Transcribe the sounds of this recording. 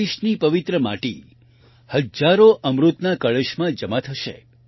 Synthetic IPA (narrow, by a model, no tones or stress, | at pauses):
iʃnipəʋɪt̪ɾəma̰ʈi | həd͡ʒaɾoʔəmɾut̪nakəɭəʃmãd͡ʒəmat̪ʰəʃḛ